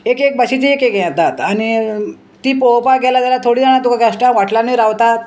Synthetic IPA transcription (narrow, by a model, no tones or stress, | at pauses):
ekek̚bəɕit̪iekekjɛ̃t̪at̪aɽ̃i | t̪iːpowpaɡɛlat̪alat̪ʰoɽid͡zanat̪ukʰaɡaʂʈãʋaʈlaniɾaʋt̪at̪